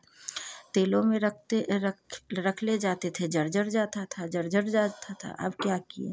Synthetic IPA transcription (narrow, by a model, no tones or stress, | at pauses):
t̪eːlõmẽɾɐk̚e | ɾɐkʰled͡ʒaːt̪et̪ʰed͡ʒɐɾd͡ʒəɾd͡ʒaːt̪at̪ʰad͡ʒɐɾd͡ʒəɾd͡ʒat̪ʰat̪ʰa̰ʔə̰ːp̚kjaːkiḛː